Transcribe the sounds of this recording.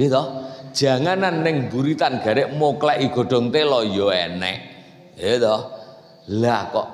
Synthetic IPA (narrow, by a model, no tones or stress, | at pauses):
it̪ɔhd̥ʒ̥a̤ŋananːɪŋmbuɾit̪anɡ̥ä̤ɾeʔmoklɛʔiɡ̥ɔ̤ɖ̥ɔ̤ŋt̪elɔjɔɛ̰nɛ̰ʔ | et̪ɔh | lakɔʔ